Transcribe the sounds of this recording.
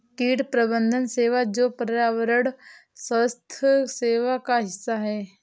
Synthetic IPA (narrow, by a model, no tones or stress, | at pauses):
kiːʈpɾəbənd̪ʱənseːʋad͡ʒoːpɾaːʋəɾəɽ | səst̪ʰseːʋakaɦɪsːaɦɛː